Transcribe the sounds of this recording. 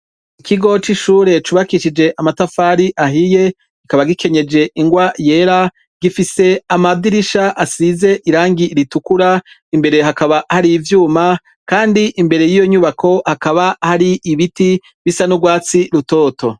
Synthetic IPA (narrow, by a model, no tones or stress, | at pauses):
ikʰiɡo̞t͡ʃiʃuːɾe̞t͡ʃuβakiʃid͡ʒe̞ʔamatafaːɾiʔaɦije̞ | ɡikaβaɡikʰe̞ɲe̞d͡ʒe̞ʔiŋɡwaje̞ːɾa | ɡ̥ifise̞amadiɾiʃaʔasize̞ʔiɾaːŋɡiɾitukuɾa | imbe̞ɾe̞ɦakaβahaɾivjuːma | kaːndiʔimbe̞ɾe̞jijo̞ɲuβakʰo̞hakaβahaɾiʔiβiti | βisanuɡwaːt͡siɾuto̞ːto̞